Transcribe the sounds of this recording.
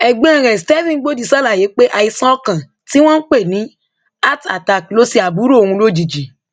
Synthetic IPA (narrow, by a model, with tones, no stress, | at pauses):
ɛ˨ɡ͡bẽ˦ã˦˨ɾɛ̃˨stɛ˦vĩ˦˨˦ɡ͡bo˦di˨sɔ˦la˨je˨˦k͡pe˦ʔa˧˨i˧sã˦ɔ˦kã˨ | ti˦w̃ɔ̃˦n̩˦k͡pe˦˨nĩ˨˦ | a˦˨ta̰˨ta˧˨klo˦si˧a˨bu˨˦ɾo˦o˨hũ˧lo˦d͡ʒi˨d͡ʒi˨